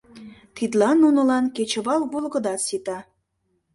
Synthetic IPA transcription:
t̪it̪lɑnːunɤ̆lɑnket͡ɕə̆βɑlβolɣɤ̆d̪ɑsit̪ɑ

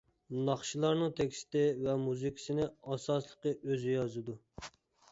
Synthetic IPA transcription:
nɑχʃilˠɑɾnɨŋt̪ʰekʲst̪ɪvɛmuzɨkʲʰi̥sɪnɪɑsɑslˠəqəʔøzɪjɑzɨd̪u

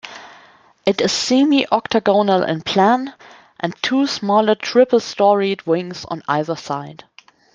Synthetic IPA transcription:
ʔɨtɨz̥simiʔɔktəɡonəlʔɪ̰̃npʰl̥æ̃n | ʔɨ̃ntʰusmɔlˠə˞tʰɹ̥ɪpl̩ˠstɔɹidwɪ̃ŋz̰̃n̩a̰ɪðə˞saɪd̥

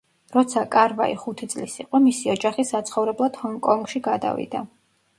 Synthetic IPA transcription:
ɾɔt̪sʰakʼaɾva̰iχut̪ʰit̪sʼlisḭqʼɔmisiɔd͡ʒaχisat̪sʰχɔvɾɛblˠad̪̥hɔŋkʼɔŋɡʃiɡad̪a̰vḭd̪a

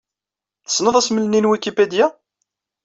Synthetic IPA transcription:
θə̥sːnəðˤæsməlninwikiped̪jæ

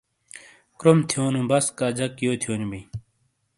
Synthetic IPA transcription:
kɾomt̪ʰjoːnubɐskaːd͡ʑɐkːijoːt̪ʰijoːnbi

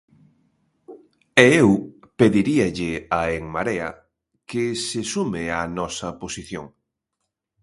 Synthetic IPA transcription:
ɛew | peðiɾiɐʎɪaeŋmaɾeɐ̰ | kesɪsumɪanɔsɐposiθjo̰ŋ

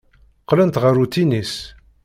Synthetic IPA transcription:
qːlænt̪ʁəɾut̪ːinis

